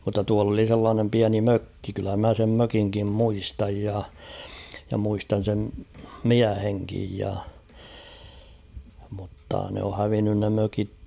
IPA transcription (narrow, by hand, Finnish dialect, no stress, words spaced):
mutːɑ tuɑl oli selːɑːnem piæni møkːi kylːæ mæ sem møkiŋkim muistɑj jɑ jɑ muistɑn̞ sem miæheŋkij jɑ mutːɑ ne o hæʋinːyn ne møkik